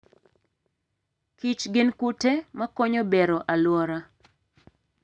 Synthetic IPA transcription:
kit͡ʃɡɪnkutemakoɲobeɾɔʔalwɔɾa

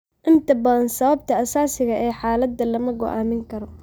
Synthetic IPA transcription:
ʔɪnt̪ʰɐbɐðɐnsɐβɐb̚t̪ʰɐɐsaːsɪɣɐʔɛːħaːlɐd̪ɐlɐmɐɡɔ̰ʔaːmɪŋkʰɐɾɔ

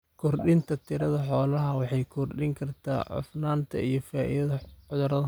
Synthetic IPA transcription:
kʰɔrɗɪnt̪ʰɐt̪ʰɪɾɐðɐħɔːlɐɦɐwɑħɑjkʰɔrɗɪŋkʰɐrt̪ʰa̰ːʕʊ̰fnaːnt̪ʰɐ̰ijɞfaːʔḭðɐðɐʕʊðʊɾɐðɐ

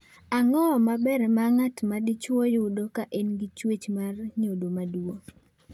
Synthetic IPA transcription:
aŋɔmabɛɾɛmaŋatmadit͡ʃwojʊdokaʔenɡɪt͡ʃwet͡ʃmarɲodomaduo

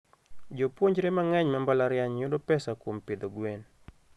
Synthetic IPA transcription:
d͡ʒopwoɲd͡ʒɾemaŋɛɲmambalaɾjaɲjʊdopɛsakwompɪd̪oɡwen

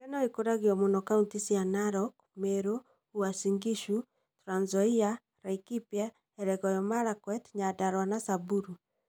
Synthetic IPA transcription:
kɛnaikoɾaɣiwɔmɔnɔkauntisianaɾɔk̚ | mɛɾo | uasiŋɡiʃu | tɾanzɔia | ɾaikipja | ɛɾɛɣɔjɔmaɾakwɛtɲadaɾwanasabuɾu

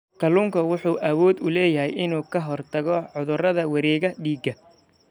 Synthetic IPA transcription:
kʰɐluːŋkʰɐwʊħuːʔɐwɔːd̪ʊlɛːjɐɦɛjʔɪnuːkʰɐɦɔrt̪ʰɐɣɔʕʊðʊrɐðɐwɐɾɛːɣɐɖiːɡɐ

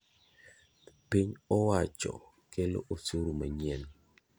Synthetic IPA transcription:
piɲɔwat͡ʃɔ̰ | kelo̰ʔosuɾumaɲɛn

